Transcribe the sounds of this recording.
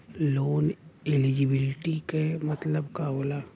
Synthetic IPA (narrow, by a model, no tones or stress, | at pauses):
loːnelid͡ʒibɪlɪʈikemɐt̪ləbkaɦoːlaː